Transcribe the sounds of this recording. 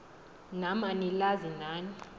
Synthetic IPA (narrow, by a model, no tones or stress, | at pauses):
namanilazinaːni